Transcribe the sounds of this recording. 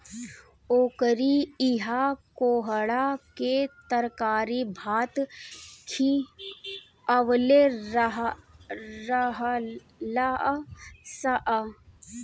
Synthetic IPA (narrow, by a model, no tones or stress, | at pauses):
oːkəɾiiɦakoːɦəɽaket̪əɾkaːɾibʱaːt̪kʰi | ɐʋleɦ | ɾəɦ | la | sɐʔ